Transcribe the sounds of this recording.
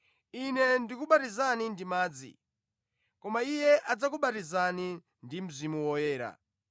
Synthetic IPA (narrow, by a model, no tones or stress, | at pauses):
inɛndikuɓatizanindimaːd͡zḭ | kɔmaijɛʔad͡zakuɓatizani | ndim̩zimuwɔjɛːɾa̰